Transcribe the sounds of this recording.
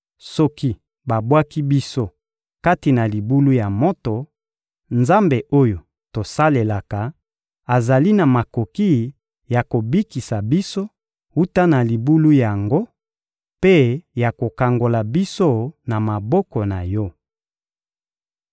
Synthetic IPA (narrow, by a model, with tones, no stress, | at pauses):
sɔ˦ki˦ | ba˨bwa˦ki˦bi˦so˦ | ka˦ti˨na˨li˨bu˦lu˦ja˨mɔ˦to˨ | nza˦mbe˨ʔo˦jo˨ | to˨sa˦le˨la˨ka˨ | a˨za˨li˦na˨ma˨ko˨ki˦ | ja˨ko˨bi˦ki˨sa˨bi˦so˦ | u˦ta˦na˨li˨bu˦lu˦ja˨ŋɡo˦ | pe˦ja˨ko˨ka˨ŋɡo˨la˨bi˦so˦na˨ma˨bɔ˦kɔ˨na˨jɔ˦